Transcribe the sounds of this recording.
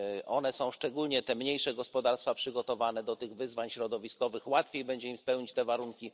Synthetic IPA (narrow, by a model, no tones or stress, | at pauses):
ʔɔ̰n̪ɛsɔ̃w̃ʂt͡ʂɛɡulɲɛt̪ɛmɲejʂɛɡɔspɔd̪aɾst̪fapʂɘɡɔt̪ɔvanɛd̪ɔt̪ɘɣvɘzvaɲɕɾɔd̪ɔvʲiskɔvɘxwat̪fʲjejbɛɲd͡ʑɛimspɛwɲit͡ɕt̪ɛvaɾuŋkʲi